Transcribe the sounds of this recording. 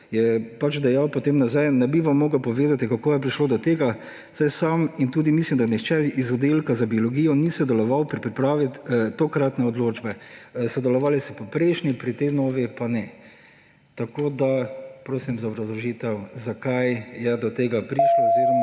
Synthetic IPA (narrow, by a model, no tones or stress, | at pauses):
jɛpat͡ʃd̪ɛjawpɔt̪emnazajnɛbiʋamːoːɡəwpɔʋeːd̪at̪ikakoːjɛp̬ɾiʃloːd̪ɔt̪eːɡa | sajsamint̪uːd̪imislimd̪anixt͡ʃɛizɔd̪elkazabiolɔɡijɔnisɔd̪ɛlɔʋawpɾipɾipɾaːʋit̪t̪okɾat̪nɛɔd̪loːd͡ʒbɛsɔd̪ɛlɔʋaːlisɛpɔpɾɛɪʃnipɾit̪ɛɪnɔːʋipanɛ | t̪akoːd̪apɾoːsimzaobɾɐzlɔʒiːt̪ɛwzakajjɛd̪ɔt̪eːɡapɾiʃloozeːɾɔma